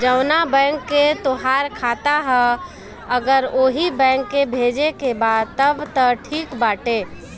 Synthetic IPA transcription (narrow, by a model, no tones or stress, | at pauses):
d͡ʒɐʊnabɛ̃ːŋkːet̪ʊɦaːɾkʰaːt̪aɦɛ | ɐɡəɾoːɦibɛ̃ːŋkːebʱeːd͡ʒekebaːd̪̚t̪əbt̪əʈʰiːkbaːʈeː